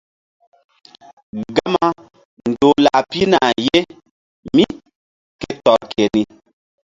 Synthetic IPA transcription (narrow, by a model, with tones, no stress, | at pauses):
ɡa˦ma˦ | n˨do˨la˨pi˦na˨je˦ | mi˦ | ke˦tɔ˨lkʰe˨ni˦